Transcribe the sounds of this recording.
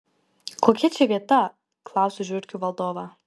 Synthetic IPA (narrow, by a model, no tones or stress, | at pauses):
koːkʲɛt͡ʃʲɛʋʲiɛt̪ɐ | klˠɑˑʊsʲʊʒʲʊɾʲkʲuʋɐlˠd̪oːʋɐ